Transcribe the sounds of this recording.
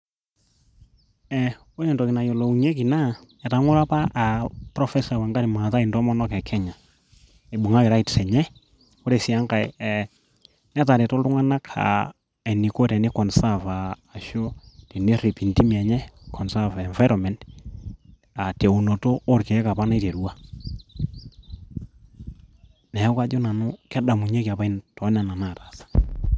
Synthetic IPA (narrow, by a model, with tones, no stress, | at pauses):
ɛ˨ | o˦ɾɛ˨ntɔ˨kɪ˨na˨jo˨lo˨u˨ɲe˦ki˨na˦ | ɛ˨ta˨˦ŋʊ˦ɾa˦pa˦ʔa˨pɾɔ˦fɛ˦sa˨wɛ˨ŋɡa˦ɾi˨ma˨ta˦i˨ndɔ˦mɔ˦nɔ˦kɛ˨kʰɛ˦ɲa˨ | e˨ɓʊ˨ŋa˦kɪ˨ɾa˦i˨tsɛ˨ɲɛ˦ | o˦ɾe˨si˨a˦ŋka˨ɪɛ˨ | nɛ˦ta˨ɾɛ˨tɔ˦ltʊ˦ŋa˦na˦kʰa̰˨ | ɛ˨ni˨ko˦te˨ne˦kɔ˨nsa˦˨faː˨ | ʃo˦te˨ne˦ɾi˨pi˨nti˦ma˨ɲɛ˦kʰɔ˨nsa˦vɛ˨ɱfa˦ɾɔ˨mɛ˨nd | a˨te˨u˨no˨toː˦ɾke˨˦ka˨pa˦na˦i˦te˨ɾu˦wa˦ | nɛ˨˦ka˦d͡ʒo˦na˨nʊ˦kɛ˦da˨mu˨ɲe˦ki˨a˨pa˦i˦ntɔ˨˦na˨na˨na˦˨ta˨sḁ˦